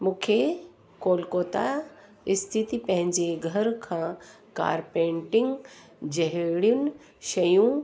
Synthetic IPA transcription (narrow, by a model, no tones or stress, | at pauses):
mũːkʰe | koːlkoːt̪a̰ | ɪst̪ʰit̪ipɐ̃ɦɪ̃ɲd͡ʑeɡʱɐɾkʰãː | ka̰ːɾpẽːɳʈɪ̃ŋɡ | d͡ʑɐɦɽijʊnɪ̆ | ʃɐjũ